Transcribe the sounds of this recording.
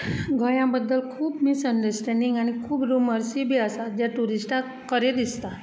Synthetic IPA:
ɡʱəɭjãbəd̪ːəlkʰuːpmisəɳɖəɾsʈɛɳɖiŋɡaɽ̃ikʰuːpɾuməɾsibʱiːəsad͡ʑjaʈuɾisʈa | kəɾed̪ist̪a

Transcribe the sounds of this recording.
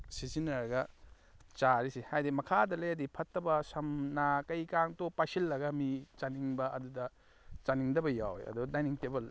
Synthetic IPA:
sizinɐɾɡɐ | t͡ʃaɾisihajdimɐkʰadɐlejɐdipʰɐtːɐbɐsɐmnakɐjkaŋtopasilːɐɡɐmit͡ʃaniŋbɐʔɐdudɐ | t͡ʃaniŋdɐbɐjawjɐ̰dudajniŋtebɐl

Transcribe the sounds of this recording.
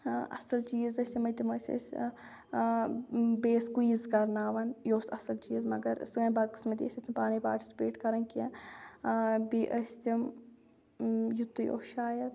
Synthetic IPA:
ɐ̰sɐlt͡ʃiːzɐsʲimɐjt̪imɐsʲɐ̰sʲ | beːskuiːzkɐɾnaːʋɐnjoːsɐsɐlt͡ʃiːzmɐɡɐɾ̰sɡɐːbaːd̪kɨ̥smɐd̪ḭːsʲɐsʲɐmpaːnipa̰ːɾʈi̥sʲi̥peːʈkɐɾɐnkiɐ | biːʔɐsʲt̪ʲɐm | jut̪ːɨjʔo̰ʃaːjɐt̪

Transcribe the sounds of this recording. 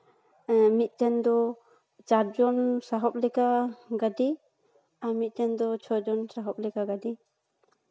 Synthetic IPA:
mit̪̚tɛnd̪ɔ | d͡ʒaɾd͡ʒɔnsaɦɔp̚lɛkaɡadi | amit̪̚tɛnd̪ɔt͡ʃʰɔd͡ʒɔnsaɦɔp̚lɛkaɡadi

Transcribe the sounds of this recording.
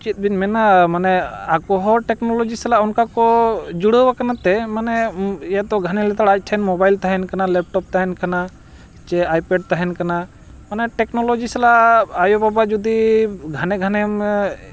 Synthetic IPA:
t͡ʃit̪̚ˀbinmɛnamanɛakɔɦɔʈɛknɔlɔd͡ʒisɛlaunkakɔd͡ʒuɽəbakanat̪ɛmanɛjad̪ɔɡʱanɛlɛt̪aɽac̚ˀʈ̪ʰɛnmɔbajlt̪aɦɛnkanalɛp̚ʈɔp̚t̪aɦɛnkana | t͡ʃɛajpɛɖ̚t̪aɦɛnkana | manɛʈɛknɔlod͡ʒisalaajobabad͡ʒud̪iɡʱanɛɡʱanɛm

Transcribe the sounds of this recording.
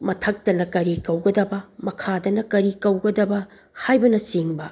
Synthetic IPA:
mɐtʰɐk̚tɐnɐkɐɾikɐwɡɐdɐbɐmɐkʰadɐnɐkɐɾikɐwɡɐdɐbɐ | hajbɐnɐsiŋbɐ

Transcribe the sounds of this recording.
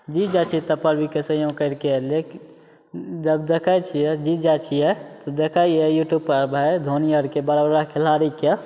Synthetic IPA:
d͡ʒid͡ʒat͡ʃʰit̪əpəɾbikesə̃jũkəɪɾkele | d͡ʒəbd̪ekʰat͡ʃʰiɛd͡ʒid͡ʒat͡ʃʰijɛt̪əd̪ekʰajɛjuʈjub̚pəɾbʱɛd̪ʱoniəɾkebəɾabɾakʰelaɾike

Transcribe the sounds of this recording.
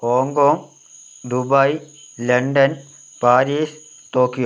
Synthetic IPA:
hoːŋkoːŋ | d̪ubailɐɳɖɐn | paːɾiːs | t̪oːkijoː

